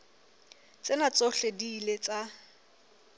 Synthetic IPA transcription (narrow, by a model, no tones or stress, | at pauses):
t͡sʼɪnat͡sʼoɬediːlet͡sʼa